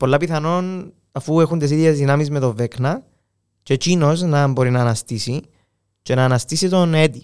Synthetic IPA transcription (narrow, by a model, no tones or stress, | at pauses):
polːɐpiθɐno̞n | ɐfue̞xunt̪es̬iðjezðinɐmizme̞t̪o̞ve̞knɐ | ce̞cino̞znɐmbo̞ɾinɐːnɐst̪isi | ce̞nɐːnɐst̪isit̪o̞ne̞t̪i